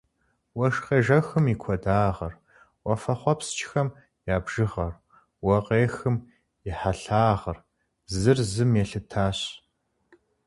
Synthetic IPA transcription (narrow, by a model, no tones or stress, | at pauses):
wɐʂqeːʒɐxɨmikʷʰɔdaːʁɐr | wɐfɐχʷɔpst͡ʃʰʼxɐm | jaːbʒ̥ɨʁɐr | wɐqeːxɨm | ɪħaɬaːʁɐr | zɨrzɨmjɛɬɨtʰaːɕ